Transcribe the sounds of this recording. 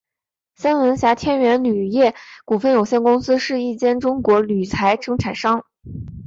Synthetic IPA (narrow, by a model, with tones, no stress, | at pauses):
sa˥nwə˧˥nɕja˧˥t̪ʰjɛ˥nɥɛ˧˥nly˨˩jɛ˥˩ku˨˩fə˥˩njo˨˩ʊɕjɛ˥˩nkʊ˥ŋsɹ̩˥ʂɻ̩˥˧i˥˩t͡ɕjɛ˥nʈ͡ʂʊ˥ŋkwɔ˧˥ly˨˩t͡sʰa˧˥ɪʂɤ˥ŋʈ͡ʂʰa˨˩nʂɑ˥ŋ